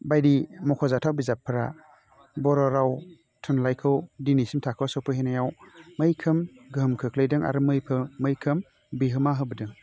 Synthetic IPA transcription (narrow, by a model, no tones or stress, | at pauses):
bajdimɔkʰɔzatʰawbizapʰːɯɾa | bɔɾɔɾaw | tʰunlajkʰɯwdinisimtʰakʰɯwsɔwpʰɯɦenajawmɯjkʰɯmɡɯmkʰɯkʰlejdɯŋa̰ɾɯmɯjpʰɯmɯjkʰɯm | biɦɯmaɦɯbɯdɯŋ